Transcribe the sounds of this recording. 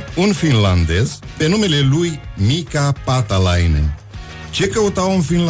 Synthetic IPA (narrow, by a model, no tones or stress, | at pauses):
unfinland̪ezpenumelelujmikapat̪alajnḛn | t͡ʃekəut̪awunfinl